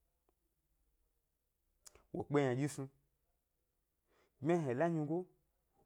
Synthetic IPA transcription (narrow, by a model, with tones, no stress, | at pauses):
wo̰˨k͡pe˦ɲã˨d͡ʒi˦su˧ | ɡ͡bmʲa˦ɦe˨la˦ɲi˧ɡo˦